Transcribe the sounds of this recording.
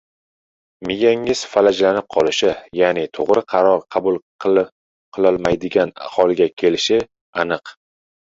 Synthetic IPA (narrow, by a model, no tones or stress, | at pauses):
mɪjaŋɪz̥falad͡ʒlanɪp̚qʰɒlɪʃɪjanɪt̪ʰoʁɾɪqʰɑɾɒɾqʰɑbʊlˠ | qʰɨlˠɒlˠmajd̪ɪɡʲana̰hɒlˠɪɡʲakʲʰe̞lɪʃɪ | anɨq